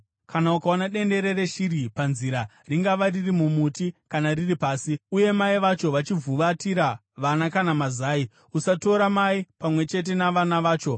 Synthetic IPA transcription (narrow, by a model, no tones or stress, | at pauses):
kʰanaukaonaɗe̞nde̞ɾe̞ɾe̞ʃiɾipanziɾa | riŋɡaʋaririmumutikanariripaːsiuje̞maiʋat͡ʃo̞ʋat͡ʃivʱuʋatiɾa | ʋanakanamazaːi | usato̞ɾamaipamwe̞t͡ʃe̞t̬e̞naʋanaʋaːt͡ʃo̞